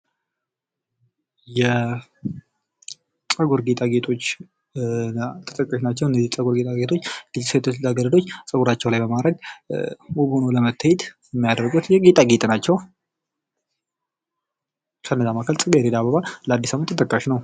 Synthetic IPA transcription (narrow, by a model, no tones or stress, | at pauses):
jɛ | sʼəɡuɾɡet̪ʼaɡe̞t̪ʰo̞t͡ʃː | t̪ʰət̪ʼəkʼːaʃnat͡ʃːɛwɨnːəzisʼəɡuɾɡet̪ʼaɡet̪ʰo̞t͡ʃːɡ̥ɨzsəwt̪ʰət̪ʰaɡələd̪o̞t͡ʃːsʼəɡuɾat͡ʃːɛwlajbəmaɾəɡ̚ | wobhonoləmət̪ʰːəjɛt̪jɛmːijad̪əɾɡut̪jɛɡe̞t̪ʼaɡet̪ʼnat͡ʃːɛw | kʰənːəzamakʰəlsʼɨɡəjɾed̪abəβalləad̪ːisamɨnt̪ʰɨt̪ʼəkʼːaʃnəw